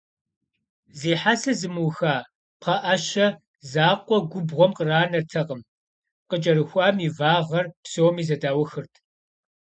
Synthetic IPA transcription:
zeːħasɐzɨmɨwxaː | pχɐʔɐɕɐ | zaːqʷʼɔɡʷʊbʁʷɔmqəraːnɐrtʰɐqəm | qəd͡ʒʼɐɾɨxʷɑːmivaːʁɐrpsowmiːzɐdaːwɔxɨrtʰ

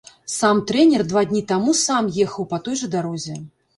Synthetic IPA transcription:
samt̪ɾɛnʲɛrd̪vad̪ʲnʲit̪amusamjɛxɐwpɐt̪ɔjʐɐd̪aɾɔzʲɛ

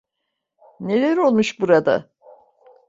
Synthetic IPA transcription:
ne̞lʲæɾo̞lˠmuʃbuɾad̪a̰

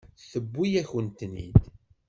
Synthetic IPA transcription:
θəbːijæçənt̪nḭd̪

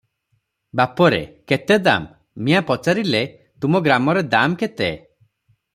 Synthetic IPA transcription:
bapɔɾḛket̪ed̪a̰mː | ĩapɔt͡ʃaɾile | t̪umɔɡɾamɔɾed̪amket̪e

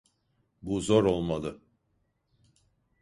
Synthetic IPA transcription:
buzo̞ɾo̞lˠmalˠɯ

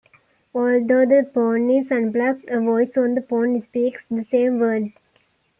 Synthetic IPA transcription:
ɔːld̪oːd̪əpõːnisə̃nblakʈəʋɔɪsɔ̃nd̪əpõːnspiːksd̪əsẽːmʋəːɖ

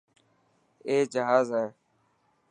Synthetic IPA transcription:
eːd͡ʒəɦaːzaːɦeː

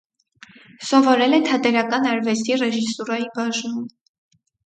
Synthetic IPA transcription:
sɔvɔɾɛlɛt̪ʰɑt̪ɛɾɑkɑnɑɾvɛst̪irɛʒisuɾɑibɑʒnum

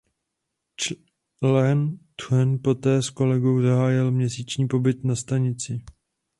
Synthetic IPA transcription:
lɛnt̪ɛnpo̞t̪ɛːsko̞lɛɡowzaɦaːjɪlmɲɛsiːt͡ʃɲiːpo̞bɪt̪nast̪aɲɪt͡sɪ

